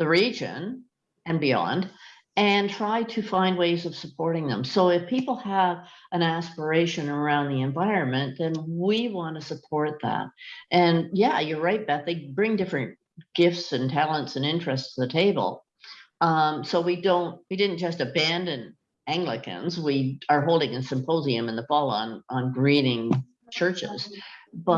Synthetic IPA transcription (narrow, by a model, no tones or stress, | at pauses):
ðɨɹid͡ʒɨ̰̃n | ɨ̃nbiɑ̰̃nd | ɨ̃ntʰɹ̥aɪɾɨfãɪ̃nd̚weɪzʌv̥səpʰɔɹɾɪ̃ŋðə̰̃msoʊɨfpʰipl̩ˠəvɨ̃ñæspə˞eɪʃɨ̃nə˞ãʊ̃nðiɨ̃ɱvaɪɹɨ̃nmɨ̃nðɨ̃nwiwɑ̃ntɨsəpʰɔɹt̪̚ðæ̰t̚ʔɨ̃njæjɨɹaɪt̪̚ðæt̪̚ðeɪbɹɪ̃ŋdɪfɹɨ̰̃n | ɡ̥ɪftsɨ̃ntʰælˠə̃ntsɨ̃nɪ̃nt͡ʃɹ̥ɨststʰɨðɨtʰeɪb̰l̩ˠ | soʊwidõʊ̃nt̚widɪdⁿn̩d̥ʒ̥ʌstɨbæ̃ndɨ̃n | æ̃ŋɡlɨkɨ̰̃nzwiə˞ɦoʊlˠdɪ̃ŋɨsɨ̃mpʰoʊziɨ̃mɨ̃nðəfɔlˠə̃nə̃nɡɹiɾɪ̃ŋ | t͡ʃʰɜ˞t͡ʃɪ̰z̥b̥ʌ